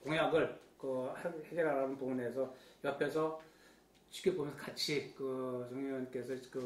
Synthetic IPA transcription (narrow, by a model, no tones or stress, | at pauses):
koŋjaɡɯɭkɯheheɡeɾaɾanɯnpoŋunesʰʌjʌpʰesʰʌ | t͡ɕʰi̥kʰebomjʌnsʰʌkat͡ɕʰikɯt͡ɕʌŋʌnk͈e̞sʰʌkɯ